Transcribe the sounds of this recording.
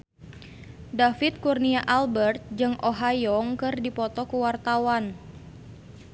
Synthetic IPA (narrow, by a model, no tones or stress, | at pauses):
dafit̪̚kurniaʔalbɛrt̪̚d͡ʒɨŋʔoɦajɔŋkɨrdipɔt̪ɔkuwart̪awan